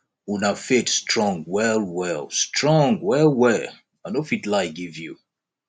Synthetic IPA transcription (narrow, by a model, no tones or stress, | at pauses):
unafetstɹɔ̃ŋɡwɛlˠwɛlˠstɹɔ̃ŋɡwɛlwɛ | aɪnofitlaɪɡivjṵ